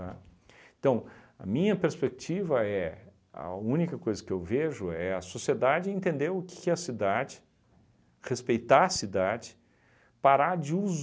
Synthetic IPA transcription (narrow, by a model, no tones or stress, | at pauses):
aẽt̪ɐ̃w̃ɐ̰mĩɲɐpeɾspek̚t͡ʃivɐɛ | ɐ̰ũnikɐkojzɐkɪewveʒʊɛɐsosied̪ad͡ʒɪẽnt̪ẽnd̪eɾʊkɪ̥kɪɐsid̪ad͡ʒɪ | hespejt̪aɐsid̪ad͡ʒɪ̥ | paɾad͡ʒɪuz